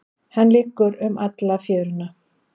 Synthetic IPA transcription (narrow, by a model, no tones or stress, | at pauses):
hanːlɪːkːʏɾʏmʔat̪lafjœːɾʏna